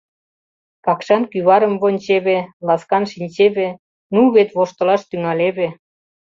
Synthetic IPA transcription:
pɑkʃɑnkyβɑɾə̆mβonʲt͡ɕeβelɑskɑnʃinʲt͡ɕeβe | nuβet̪βoʃt̪ɤ̆lɑʃt̪yŋɑleβe

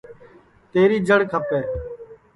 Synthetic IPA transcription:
t̪eːɾiːd͡ʒəɽkʰəpeː

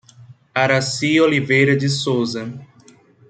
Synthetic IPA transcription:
aɾasiolivejɾɐd͡ʒɪsowzɐ

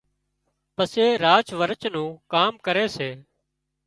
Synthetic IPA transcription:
pəseːɾaːt͡ʃʋəɾət͡ʃnũːkaːmkəɾeːseː

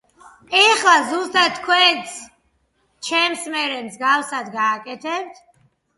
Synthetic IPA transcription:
ɛχlazust̪ʼat̪ʰːkʰwɛnt̪sʰ | t͡ʃʰɛmsmɛɾɛmzɡafsad̪ɡaːkʼɛt̪ʰɛp̚t̪ʰ

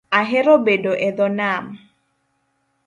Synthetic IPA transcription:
aɦɛɾobedoʔɛd̪ɔnam

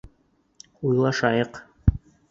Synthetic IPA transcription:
ujlˠɑʃɑjɤq

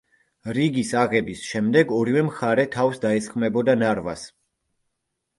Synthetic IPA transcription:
ɾiɡisaʁɛbisʃɛmd̪ɛɡɔɾivɛmχaɾɛt̪ʰavsd̪aɛsχmɛbɔd̪anaɾva̰s

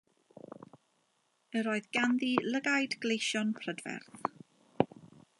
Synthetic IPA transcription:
əɾoːɨðɡanðiləɡajdɡlejʃɔnpʰr̥ədvɛ̰rθ

